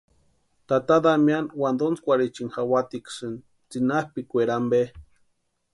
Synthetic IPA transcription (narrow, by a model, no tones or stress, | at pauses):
t̪at̪ad̪amjanwand̪ont͡skʷaɾit͡ʃinxawat̪iksɨn | t͡sinahpikʷeɾambe